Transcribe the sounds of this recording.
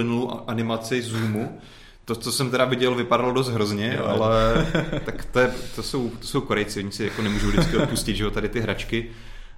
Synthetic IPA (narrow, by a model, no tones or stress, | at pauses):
ɪnuluʔanɪmat͡sɪzuːmu | t̪ot͡so̞sɛmt̪ɛɾavɪɟɛlvɪpadalodos̬t̪ɦɾozɲɛʔa̰lɛkt̪akt̪ojɛt̪oso̞wt̪oso̞wkoɾɛjt͡sɪoɲɪsɪjako̞nɛmuːʒuwdɪt͡skɪʔot̪puscɪd̪ʒɛot̪adɪt̪ɪɦɾat͡ʃkɪ